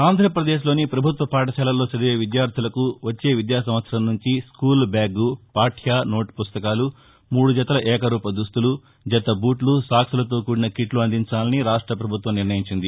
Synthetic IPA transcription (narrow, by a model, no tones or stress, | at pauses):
aːnd̪ʱɾɐpɾɐd̪eːʃ̬lo̞ːnipɾɐbʱut̪ʋɐpaːʈ̬ɐʃɛːlɐlo̞ːsɐɽɐeːʋid̪jaːɾt̪ʰilɐkuʋɐt͡ʃːe̞ːʋid̪jaːsɐmʋɐt̪sɐɾɐmnuɲt͡ʃiskuːlbaːɡupaːʈʰjaːno̞ːʈpust̪ɐkaːlu | muːɽud͡ʒɐt̪ɐlɐʔɛːkɐɾuːpɐd̪ust̪ulu | d͡ʒɐt̪ɐbuːʈlusaːksulɐt̪o̞ːkuːɽinɐkiʈluɐnd̪ʱiɲt͡ʃaːlɐniɾaːʂʈɾɐpɾɐbʱut̪ʋɐmniɾnɐjiɲt͡ʃind̪i